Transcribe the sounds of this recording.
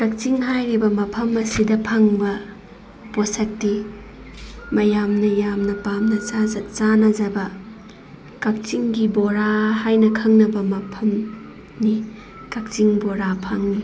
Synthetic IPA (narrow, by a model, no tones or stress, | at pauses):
kak̚t͡ʃiŋɦajɾibɐmɐpʰɐmɐsidɐpʰaŋbɐ | posɐk̚ti | mɐjamnɐjamnɐpamnɐat͡ʃanɐzɐbɐ | kak̚t͡ʃiŋɡiboɾahajnɐkʰɐŋnɐbɐmɐpʰɐm | ni | kak̚t͡ʃiŋboɾapʰaŋni